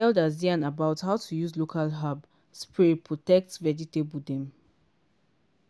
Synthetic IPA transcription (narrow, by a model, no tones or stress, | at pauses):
ɛldaziãnabaʊthaʊtʰujuzlokʰalɦab | spiɹipʰɹɔtɛk̚tvɛd͡ʒitebudɛ̃m